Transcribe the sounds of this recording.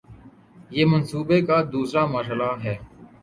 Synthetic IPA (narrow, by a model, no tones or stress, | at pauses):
jeːmənsuːbekaːd̪uːsɾaːməːɾɦəlaːɦɛː